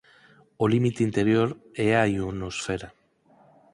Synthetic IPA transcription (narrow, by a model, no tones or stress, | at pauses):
olimit̪eint̪e̞ɾjo̞ɾeaionosfe̞ɾa